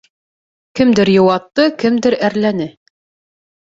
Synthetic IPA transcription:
kɘmd̪ɘɾjŏwɑt̪ːɤkɘmd̪ɘɾæɾlænɘ

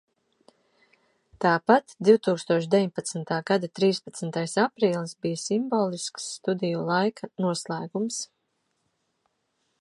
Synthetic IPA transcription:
t̪aːpat̪d̪iwt̪uːkst̪uɔʃd̪ʲeviɲpat̪smnt̪aːɡad̪at̪ɾiːspat̪snt̪ajsapɾiːlˠsbijasimboːlˠisksːt̪ud̪ijulˠajkʰanuɔslˠæːɡums

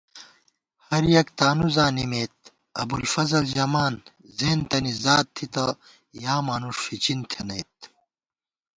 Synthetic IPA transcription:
hɐɾjɐkt̪aːnuzaːnimeːt̪̚ | ɐ̰bulfɐzɐld͡ʑɐmaːn | zeːnt̪ɐnizaːt̪t̪ʰːit̪ɐ | jaːmaːnuʂfit͡ɕint̪ʰenɐjt̪̚

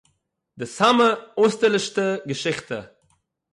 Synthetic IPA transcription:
dɪsaməoːstəlɪʃtəɡəʃɪχtə

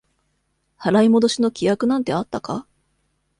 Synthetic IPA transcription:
haɾaimo̞d̪o̞ɕino̞kʲijakɯ̟nãnt̪e̞at̪ːaka

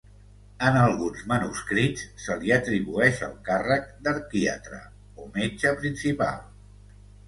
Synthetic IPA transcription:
ənəlˠɣunzmənuskɾitsːəliət̪ɾiβuɛʃə̰lˠkarək̚d̪əɾkiə̰t̪ɾə̰ | omed͡ʒəpɾinsipa̰lˠ

